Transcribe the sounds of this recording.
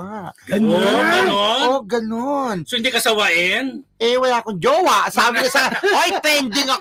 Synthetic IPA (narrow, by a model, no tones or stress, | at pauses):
aɡ̥ɐnonɐnooɡɐnonsoʔɪnd̪ikɐsɐwaʔɪnʔɛwɐlaːkoŋd͡ʒoːwasaːbɪɲɐsɐaojpɛnd̪ɪŋɐ